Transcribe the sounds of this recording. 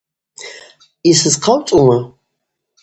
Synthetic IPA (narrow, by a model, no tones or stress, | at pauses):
isɨzqʰawt͡sʼuma